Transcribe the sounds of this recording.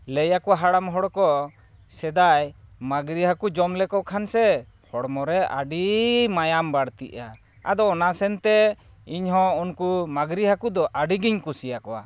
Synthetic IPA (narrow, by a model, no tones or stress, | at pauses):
ləjakɔwaɦaɽamɦɔɽkɔ | sɛd̪ajmaɡɾiɦakud͡ʒɔmlɛkɔkʰansɛ | hɔɽmɔɾɛʔa̰ɖimajambaɽt̪ḭʔa | a̰d̪ɔːnasɛnt̪ɛ | iɲɦɔ̃unkumaɡɾiɦakud̪ɔʔaɖiɡiɲkusijakɔwa̰